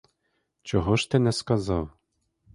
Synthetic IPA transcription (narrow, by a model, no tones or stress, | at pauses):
t͡ɕoɦoʃt̪ɛnɛskɑzɑw